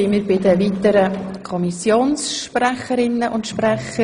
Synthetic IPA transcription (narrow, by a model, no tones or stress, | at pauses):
ɪmiɪːɾbɪdəviːtəɾəkʰɔmisjoːnsʃpræχəɾɪnːəʔʊntʃprɛχə